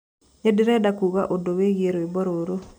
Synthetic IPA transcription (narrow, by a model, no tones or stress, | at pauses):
ɲedɪɾɛdakuɣaʔodoweɡeɾoebɔɾoɾo